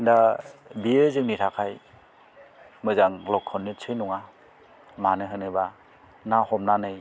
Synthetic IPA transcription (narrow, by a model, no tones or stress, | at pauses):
ndabiezɯŋnitʰakʰaj | mɯzaŋlɔkʰɔnːit͡sʰɯjnuŋa | manɯɦɯnɯba | nahɔmnanɯj